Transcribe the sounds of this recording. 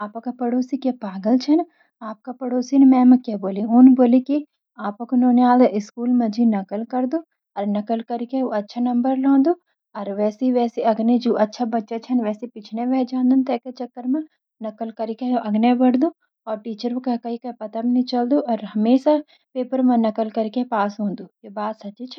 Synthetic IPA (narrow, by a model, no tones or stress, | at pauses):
aːpkapɐɽoːsikjapaːɡəlt͡ʃʰɐn | aːp̚kapɐɽoːsinmɛ̃ːmẽkjaboːliʊnboːliki | aːpɐkʊnoːneaːld̪ɪskuːlmẽd͡ʒʱinɐkəlkɐɾd̪oː | ɔːɾnɐkəlkɐɾikeoɐtːʃʰanɐ̃mbəɾlõːnd̪oː | ɔːɾʋɛːseiʋɛːseɐɡned͡ʒuːʔɐtːʃʰabɐtːʃat͡ʃʰɐnʋɛːsepɪt͡ʃʰneʋɛːd͡ʒãːnd̪unt̪ɛːket͡ʃɐkːəɾmẽ | nɐkəlkɐɾikeʔɐɡnebɐɽd̪ũː | ɔːɾʈiːt͡ʃəɾmekakɐɦikɐipɐt̪amnit͡ʃɐld̪uʔɔːɾɦɐmeːʃa | peːpəɾmẽnɐkəlkɐɾkepaːsɦõːnd̪uːkebaːd̪sɐtt͡ʃit͡ʃʰ